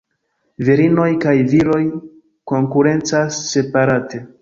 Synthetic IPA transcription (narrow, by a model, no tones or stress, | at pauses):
viɾino̞jkajviɾo̞j | ko̞ŋkuɾe̞nt͡sasːe̞paɾate̞